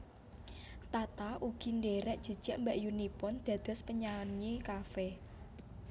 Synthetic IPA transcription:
t̪at̪aʔuɡ̥i̤ndeɾɛʔd̥ʒ̥i̤̥ʒ̥a̤ʔmbɛʔjunipɔnd̪̥ä̤d̪̥ɔ̤spəɲanɲikafɛ

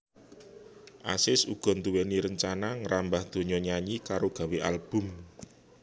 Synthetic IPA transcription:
ʔa̰sɪsuɡ̥ɔ̤nt̪uweniɾəɲt͡ʃanaŋəɾambahd̪̥o̤ɲɔɲaɲikaɾoɡ̥a̤wealb̥ʊ̤m

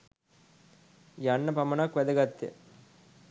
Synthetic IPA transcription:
jɐnːɐpɐmɐnakʋɐd̪ɐɡɐt̪ːjə̰

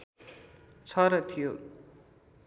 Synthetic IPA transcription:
t͡sʰʌɾʌt̪ʰijo

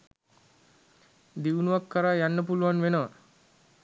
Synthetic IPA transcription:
d̪iʋnuʋakːəɾaːjanːəpuluʋanʋenəʋa̰

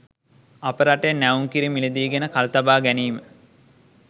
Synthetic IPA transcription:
apəɾaʈenːæuŋkiɾimiled̪iːɡenəkalt̪abaːɡæniːmə

